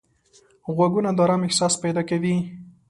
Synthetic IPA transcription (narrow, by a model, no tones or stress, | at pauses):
ɣwaɡunad̪ɑɾamɪhsɑspajd̪ɑkawi